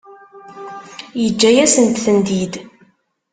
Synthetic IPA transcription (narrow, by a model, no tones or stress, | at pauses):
jəd͡ʒːæjæsənt̪θənd̪id̪